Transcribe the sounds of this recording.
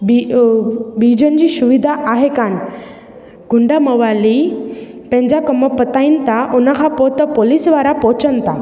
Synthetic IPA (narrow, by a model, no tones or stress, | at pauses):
bi | bid͡ʑənd͡ʑiɕuʋid̪ʱaʔaɦekan | ɡ̥ʱuɳɖaməʋali | pɛ̃ɲd͡ʑakəməpət̪aint̪aʔunaɦʰapɔt̪əpolisʋaɾapɔt͡sənt̪a